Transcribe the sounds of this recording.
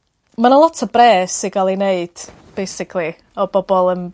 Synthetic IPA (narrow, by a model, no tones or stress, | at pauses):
manalˠɔtʰɔbrɛːsiɡalˠineɨd̥ | b̥ejsɪkʰlˠi | ɔbɔbɔlˠən